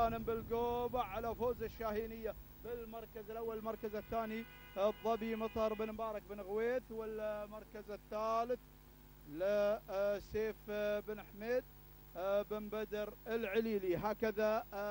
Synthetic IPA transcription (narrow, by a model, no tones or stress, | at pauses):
aːnəmbɪlɡoːbaʕalafoːzɪʃːaːhiːnɪjːa | bɪlmɑɾˤkazɪlʔawːallmɑɾˤkazɪθːaːni | ðˤːɑbimɑt̪ˤɑɾˤbɪnmbɑːɾˤɑk̚bɪnɣweːθwɪlmɑɾˤkazɪθːaːlɪθ | lɪ | seːfbɪnħmeːd̪̚ | bɪmbad̪ɑɾɪlʕɪliːliɦaːkaða